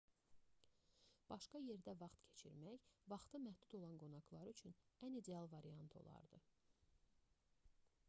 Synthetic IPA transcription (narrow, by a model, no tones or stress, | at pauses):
b̥ɑʃkɑje̞ɾd̪ævɑχt̪cʰe̞t͡ʃʰḭɾmæçvɑχt̪ʰɯmæhd̪ud̪o̞lˠɑnɡo̞nɑɡlˠɑɾyt͡ʃʰynænid̪e̞ɑlˠvɑɾiɑnt̪ʰo̞̰lˠɑ̰ɾd̪ɯ̰